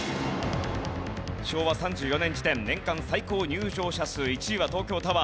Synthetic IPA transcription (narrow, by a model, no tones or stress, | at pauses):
ɕo̞ːβasãɲ̟d͡ʑɨːjo̞nẽ̞ɲd͡ʑit̪ẽ̞nnẽ̞ŋkãɰ̃saiko̞ːɲ̟ɨːʑo̞ːɕasɨːit͡ɕiiβat̪o̞ːkʲo̞ːt̪aβa